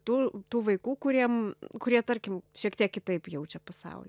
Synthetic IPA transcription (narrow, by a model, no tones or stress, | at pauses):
t̪uːt̪uːʋɐɪkuːkʊɾʲiɛmkʊɾʲiɛt̪ɐɾʲkʲɪmʃʲiɛkt̪ʲiɛkkʲɪt̪ɐɪpjɛʊt͡ʃʲɛpɐsɐ̰ʊlʲ